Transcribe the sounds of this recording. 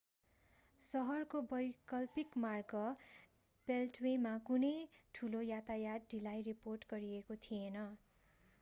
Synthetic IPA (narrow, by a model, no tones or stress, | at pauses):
sʌɦʌrkobʌjkʌlpikmarɡʌ | b̥elʈwemakunʌjʈʰulojat̪ajad̪ɖilajriporʈɡʌɾiekot̪ʰienʌ